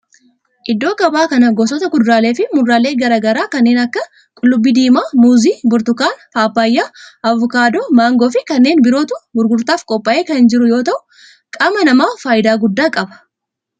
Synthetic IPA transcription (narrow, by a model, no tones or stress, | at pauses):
ʔɪd̪ːo̞ːkɐbaːkɐnɐɡɔsɔt̪ɐɡʊd̪ʊɾaːle̞ːfɪmʊrːaːle̞ːɡɐɾaːɡɐɾaːkɐnːe̞ːnɐkːɐ | kʼʊlːʊbːiːd̪iːmaːmuːziːbʊɾt̪ʊkaːnfaːpːaːjːaːʔɐvɔkaːd̪omaːŋɡoːfɪkɐnːe̞ːnbɪɾo̞ːt̪ʊbʊɾɡʊɾt̪aːfkʼɔpʼːɐʔe̞ːkɐnhɪnd͡ʒɪɾʊjoːt̪ɐʔʊ | kʼɐmɐnɐmaːfaːjɪd̪aːɡʊd̪ːaːkʼɐbɐ̥